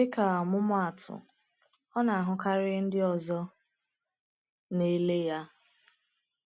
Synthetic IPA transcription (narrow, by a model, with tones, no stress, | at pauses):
ɪ˦ka˨ɔ˨mʊ˦mʊ˦a˨tʊ̰˨ | ɔ˦na˨a˨ɦʊ˨ka˦ɾɪ˦n̩˦dɪ˦ɔ˨zɔ˦ | ne˦le˦ja˦